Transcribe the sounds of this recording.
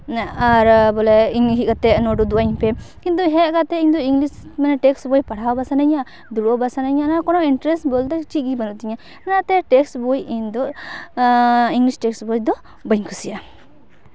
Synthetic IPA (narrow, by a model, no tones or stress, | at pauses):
aɾbɔlɛiŋɦikat̪ɛʔnɔɖud̪uʔaɲpɛkint̪̬uɦɛkat̪ɛiɲd̪ɔiŋɡlismanɛʈɛksbɔjpaɽawbasanaɲa | d̪uɽɔbasanaɲanakɔnɔiɳʈɾɛsbɔlt̪ɛt͡ʃiɡibanuʔt̪iɲa | ɛnaʔt̪ɛʈɛksbɔjiɲd̪ɔ | iŋɡlisʈɛksbɔjd̪ɔ | baɲkʰusija